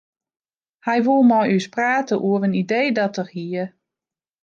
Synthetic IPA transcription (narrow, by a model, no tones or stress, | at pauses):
hɛjʋulˠmɔjyspraːtəʔuəvənidejdɔtərhiə